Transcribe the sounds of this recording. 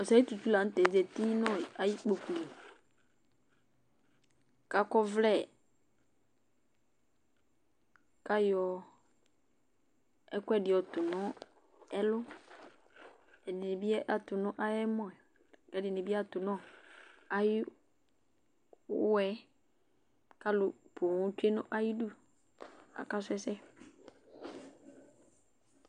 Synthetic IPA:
ɔ˨sa˨˦i˦tu˨tu˦la˨˦tɛ˨zɛ˨ti˦nɔ˦˨a˨ji˦k͡po˨ku˨li˨ | ka˨kɔ˦vlɛ˦˨ | ka˦jɔ˨ | ɛ˦kʊ˦ɛ˨dɪ˨ɔ˨tʊ˨nɔ̃˨˦ | ɛ˦lʊ˦ | ɛ˨dɪ˨nɪ̃˨bi˦ɛ˦ʔa˨tʊ˨nʊ̃˦ʔa˦jɛ˦mɔ̃˦ɛ˨ | kɛ˨dɪ˨nɪ̃˨bi˦a˦tʊ˨nɔ̃˦˨a˦jɪ˦ | ɛ˦ | ka˦lʊ˨pʰʊ˨ŋʊ̃˨˦t͡ʃᶣe˦nʊ̰̃˦ʔa˦ji˦du˦˨ | a̰˨ka˦s̬ʊ˦ɛ˦sɛ˦

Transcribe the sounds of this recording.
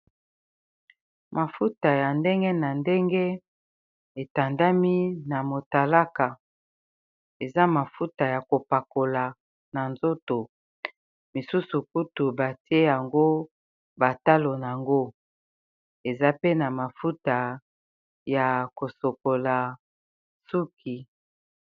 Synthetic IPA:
ma˨fu˦ta˨ja˨nde˦ŋɡe˦na˨nde˦ŋɡe˦ | e˨ta˨nda˦mi˦na˨mo˨ta˨la˦ka˨ | e˨za˦ma˨fu˦ta˨ja˨ko˨pa˨ko˨la˨ | na˨nzo˦to˨ | mi˨su˦su˨ku˦tu˨ba˨ti˦e˦ja˨ŋɡo˦ | ba˨ta˦lo˨na˨a˨ŋɡo˦ | e˨za˦pe˦na˨ma˨fu˦ta˨ | ja˨ko˨so˨ko˨la˨ | su˦kʰi˨

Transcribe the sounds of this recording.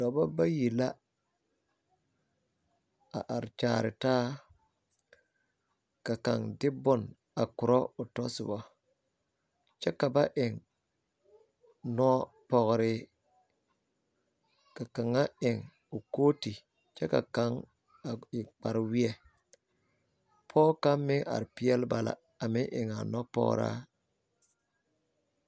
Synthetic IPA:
dɔ˨ba˦ba˦ji˨la˦ | a̰˨ʔa˨ɾt͡ʃaː˨ɾɪ˨taː˦ | ka˨ka˨ŋdɪ˦bʊ˦n | a˨kʊ˨ɾɔ˦ʊ˨tɔ˦sɪ̰˨bɔ˦ | t͡ʃɛ˦ka˨ba˦ʔɪ˨ŋ | nɔ˦ | pɔ˨ɣɾɪ˨ | ka˨ka˨ŋa˦ɪ˨ŋ | ʊ˨koː˦ti˨ | t͡ʃɛ˦ka̰˨ka˦ŋ | a˨k͡pa˨ɾwi˦ɛ˦ | pʰɔː˦ka˦mmːɪ˦ŋʔa̰˨ɾpɪ˦ɛ˦lba˨la̰˨ | a˨mɪ˦ʔɪ˨ŋa˨nɔ˦pɔ̰˦ɣ̰ɾa̰˦

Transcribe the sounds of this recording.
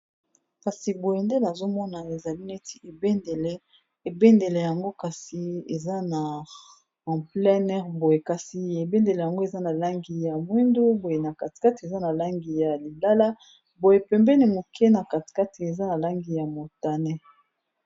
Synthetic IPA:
ka˨si˨bo˨je˨nde˦na˨zo˦mɔ˦na˨e˨za˨li˦nɛ˦tʰi˨e˨be˦ndɛ˨lɛ˦ | e˨be˦nde˨lɛ˨ja˨ŋɡo˦ka˨si˨e˨za˦na˨ | ã˨plɛ˦nɛ˦ʁbo˨je˨ka˨si˨e˨be˦nde˨lɛ˨ja˨ŋɡo˦e˨za˦na˨la˦ŋɡi˨ja˨mwi˦ndu˦bo˨je˨na˨ka˨ti̥˨ka˦ti˨e˨za˦na˨la˦ŋɡi˨ja˨li˨la˦la˦ | bo˨je˨pɛ˨mbɛ˦ni˨mo˨kʰɛ˦na˨ka˨ti̥˨ka˦ti˨e˨za˦na˨la˦ŋɡi˨ja˨mo˨ta˨nɛ˦

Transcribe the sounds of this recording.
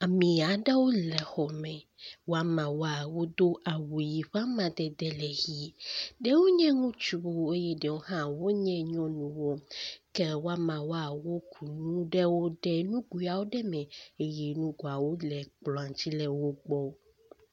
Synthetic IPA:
a˨mĩ˨a˨ɖɛ˦wo˦lɛ˨xɔ˨mɛ̃˨ | wo˦a˦mã˨wo˦a˨wo˦d̪o˦ʔa˨wu˨ji˨ɸa˦mã˨d̪ɛ˨d̪ɛ˦lɛ˨ɣi˦ɖɛ˦wo˦ɲɛ̃˦ŋũ˦t͡ʃu˦bo˨e˦jɛ˦ɖɛ˨wo˦ɦã˦wo˦ɲɛ̃˦ɲɔ̃˦nũ˨wo˦kɛ˦wo˦a˦mã˨wo˦a˨wo˦kʰu˨nũ˦ɖɛ˦wo˦ɖɛ˦nũ˦ɡu˦a˨wo˦ɖɛ˦mɛ̃˨e˦jɛ˨nũ˦ɡo˨a˨wo˦lɛ˨k͡plɔ˨ã˨t͡ɕi˦lɛ˨wo˦ɡ͡bɔ˦

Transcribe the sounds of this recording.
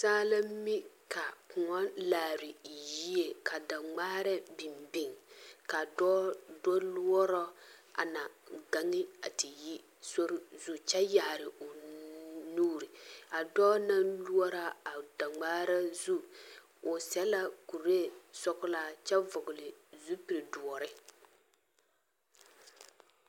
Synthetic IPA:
saː˦la˦m˦mi˦ka˨pʊ˨ŋɔ˦laː˨ɾɪ˨ji˦e˨ka˨da˨ŋ͡maː˦ɾɛ˦bi˨mbi˦˨ŋka˨dɔ˦dɔ˦lu˦ɔ˦ɾɔ˦a̰˨na˨ɡa˦ŋɪ˦a̰˨tɪ˨ji˦ | so˦ɾɪ˦zu˦t͡ʃɛ˦ja˨ɾɪ˨ʊ˨ | nuː˦ɾi˨a˨dɔː˦na˦nlu˦ɔ˦ɾa˦a˨da˨ŋ͡maː˦ɾa˦zu˦ | ʊ˨sɛ˦la˦ku˨ɾe˦sɔ˦kʊ˦la˦t͡ʃɛ˦vʊ˨ɡʊ˨lɪ˨zu˦pi˨ɾɪ˨du˨ɔ˨ɾɪ˦

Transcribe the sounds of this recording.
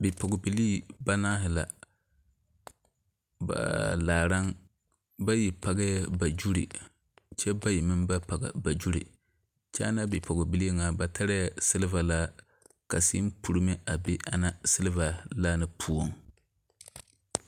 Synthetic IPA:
bɪ˨pɔ˨ɡʊ˨bi˨liː˦ba˦naː˦ɦɪ˨la̰˨ | ba̰˨laː˨ɾa˦ŋ | ba˦ji˨pa˨ɡa˦ja˦ba˨d͡ʒu˦ɾḭ˨ | t͡ʃɛ˦ba˦ji˨mɨ˦mba˦pa˨ɡa̰˨ba˨d͡ʒu˦ɾḭ˨ | t͡ʃɛ˦a˦na˦bɪ˨pɔ˨ɡʊ˨bi˨li˦ŋa˨ba˨tʰa˦ɾɪ˦ja˦sɨ˦lɪ˦va˨laː˦ | ka˨siː˦m˦pu˨ɾɨ˦mɛ˦ʔa˨be˦ʔa̰˦na˦sɨ˦lɨ˦va˨laː˦nɨ˨pʰu˦o˨ŋ

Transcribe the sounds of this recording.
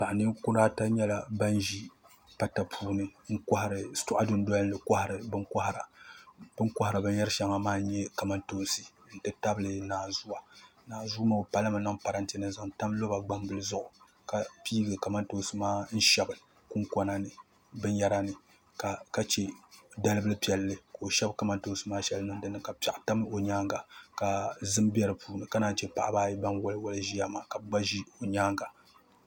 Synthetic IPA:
pa˨ʔnɨ˦kʊ˦ɾaː˦ta˦ɲɛ˦la˨ba˦n˦ʒi˦ | pa˦ta˨pʰuː˦nɨ˦ŋ̩˦ka˦ha˨ɾɨ˨˦tʊ˦ʔa˦dʊ˨˦n˦dɔ˦lːɨ˨ka˦hɾɨ˨bɨ˦ŋka˦hɾa˨bɨ˦ŋka˦ha˨ɾa˨bɨ˦jɛ˦ɾɨ˦ʃa˦ŋa˨maː˦ɲɛ˦ka˨ma˦nto˦nsi˦˨ | n̩˦tɨ˦ta˦bɨ˦lɨ˨naː˨zu˦a˨naː˨zu˦ma˦˨o˨pa˦la˦ma˨na˦ŋpa˨ɾa˦n˦ti˦nɨ˦nza˨ŋta˦mlo˦ba˨ɡ͡ba˦mbɨ˦lɨ˦zʊ˦ʔʊ˨ | ka˨piː˦ɡɨ˨ka˨ma˦nto˦sɨ˦maː˦n̩˦ʃɛ˦bɨ˨ | ku˦ŋka˦na˦nɨ˨ | bɨ˦n˦ja˦ɾa˦nɨ˨ | ka˨ka˦t͡ʃe˦da˦lɨ˦bɨ˦lɨ˦pi˦ɛ˨lːɨ˨ka˨o˨ʃɛ˦bka˨ma˦nto˦sɨ˦maː˦ʃɛ˦lɨ˦nɨ˦n˦dɨ˦nɨ˨ka˨pa˨ʔta˦m˦o˨ɲaː˦ŋɡa˨ka˨zɨ˦mbi˦ɛ˦ɾɨ˨puː˦nɨ˨ka˦naː˦˨t͡ʃe˦pa̰˨ʔa˨baː˦ji˦ba˦mwʊ˦lɨ˦wʊ˦lɨ˦ʒi˦ja˦maː˨ka˨bɡ͡ba˦ʒi˦o˨ɲaː˦ŋɡa˨

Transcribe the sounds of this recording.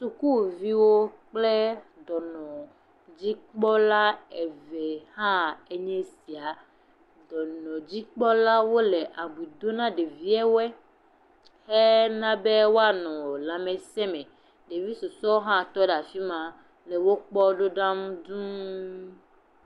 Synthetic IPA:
su˨ku˦vi˦wo˦k͡ple˦d̪ɔ˨nɔ̃˨ | d͡ʑi˦k͡pɔ˦la˦e˨ve˨hã˦e˦ɲɛ̃˦si˨a˨ | d̪ɔ˨nɔ̃˨d͡ʑi˦k͡pɔ˦la˦wo˦le˨ʔa˨bu˨d̪o˦nã˦ɖe˨vi˦ɛ˦wɛ˦ | he˦nã˦be˦wo˦a˦nɔ̃˨lã˨mẽ˨sɛ˦mɛ̃˨ | ɖe˨vi˦su˨sɔ˦wɦã˦t̪ɔ˦ɖa˨fi˦mã˨ | le˨wo˦k͡pɔ˦ɖo˦ɖã˦m˦d̪ũ˦

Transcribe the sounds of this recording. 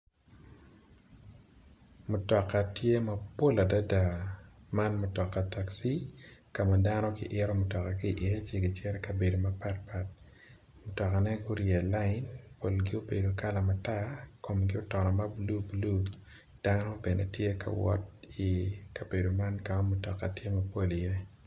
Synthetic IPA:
mʊ˨tɔ˨kːa˨tje˦ma˦po˦la˨da˦da˨ma˦nmʊ˨tɔ˨kːa˨ta˨ksi˦ka˨ma˨da˦nɔ˦ɡɪ̰˦ʔɪ˦ɾɔ˦mʊ˨tɔ˨ka˨ɡi˦˨ʔɪ˦t͡ʃje˦ɡɪ˨t͡ʃɛ˦ɾɛka˨be˨do˨ma˦pa˦t̚pa˨t̚ | mʊ˨tɔ˨ka˨nɛ˦ɡʊ˦ɾjɛ˨la˦ɪnpo˨lɡɪ˦o˦be˨do˨ka˦la˨ma˨ta˦ko˨mɡɪ˦o˦tɔ˨nɔ˨ma˦blu˦blu˦ | d̥a˦nɔ˦be˨nḛ˨tje˦kʰa̰˨wɔ̰˦t̚i˨ka˨be˨do˨ma˦nka˨ma˦mʊ˨tɔ˨kːa˨tje˦ma˨po˦li˨je˦

